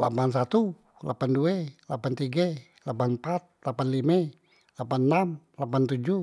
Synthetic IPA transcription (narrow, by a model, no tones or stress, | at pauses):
la̰pans̬at̪u | la̰panduelapant̪iɡa | lapanmpat̪̚lapanlime | lapannamlapant̪ud͡ʒu